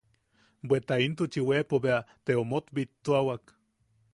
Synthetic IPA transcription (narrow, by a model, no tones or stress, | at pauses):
bet̪aint̪ut͡ʃiwepoβeat̪eomot̪bit̪ːoawak